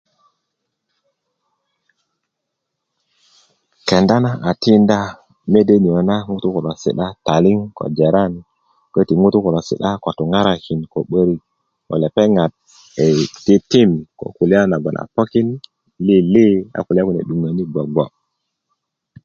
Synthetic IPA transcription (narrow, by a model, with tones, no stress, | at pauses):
ke˨nda˦na˦ʔa˨ti˦nda˦ | me˦de˦ni˨o˨na˦ŋu˦tu˦ku˨lo˨sḭ˨ɗa˦ta˨li˦ŋko̰˨d͡ʒe˨ɾa˦˨n | kə˦ti˨ŋu˦tu˦ku˨lo˨sḭ˨ɗa˦ko˨tu˨ŋa˦ɾa˦˨ki˨nko˨ɓə˦ɾi˦ | ko̰˨le˨pe˦ŋa˨t̚ | e˨ti˦ti˦mko̰˨ku˨li˦a˦na˨ɡo˨nʔa̰˨po˦ki˦n | li˦li˦a̰˨ku˨li˦a˦ku˨nḛ˨ɗu˨ŋa˨ni˦ɡo˨ɡo˨